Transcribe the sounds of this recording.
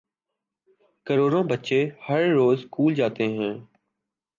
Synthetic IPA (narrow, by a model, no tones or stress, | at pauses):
kəɾoːɾõːbətt͡ʃehəɾːoːzkuːld͡ʒaːt̪eɦɛ̃ː